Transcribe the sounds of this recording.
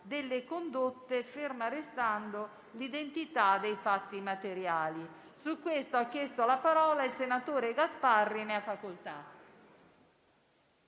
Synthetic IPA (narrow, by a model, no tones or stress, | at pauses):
d̪elːekond̪ot̪ːefermaɾest̪and̪o | lid̪ent̪it̪ad̪ejfat̪ːimat̪eɾjaːli | sukːwest̪oakːjɛst̪oalapaɾɔːlailsenat̪oːɾeɡasparːineafːakolt̪a